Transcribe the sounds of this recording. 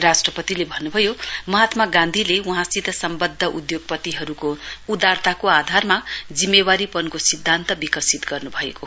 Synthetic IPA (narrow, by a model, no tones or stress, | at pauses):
rasʈrʌpʌt̪ilebʱʌnːubʱʌjomʌɦat̪maɡãnd̪ʱileuɦãsit̪ʌsʌmbʌd̪ʱːʌʔud̪joɡ̚pʌt̪iɦʌɾukoud̪art̪akoad̪ʱarmad͡zimːewaɾipʌnkosid̪ʱːant̪ʌbikʌsit̪ɡʌrnubʱʌḛko